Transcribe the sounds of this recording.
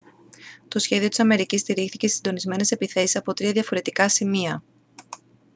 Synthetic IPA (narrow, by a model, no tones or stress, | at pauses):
t̪o̞sçe̞ðio̞t̪i̥sɐme̞ɾicist̪iɾixθicessind̪o̞nizme̞ne̞se̞piθe̞sisɐpo̞t̪ɾiɐðɐfo̞ɾe̞t̪ikɐsimiɐ